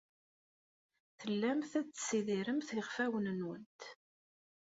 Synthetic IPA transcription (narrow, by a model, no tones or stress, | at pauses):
θəlːæmθæt͡ssiðiɾəmθɪʁfæwənənwənt̪